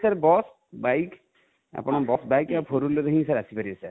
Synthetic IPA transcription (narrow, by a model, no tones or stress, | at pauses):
saɾbɔs | bajk | a̰pɔñɔbɔsbajkapʰoɾulɔdəɦĩsaɾasipaɾibɛsaɾ